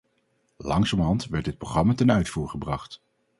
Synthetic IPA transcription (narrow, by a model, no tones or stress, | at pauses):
lɑŋsɔmɦɑntʋɛɹdɪt̚proχrɑmatɛnœɥtfuːɹχəbrɑχt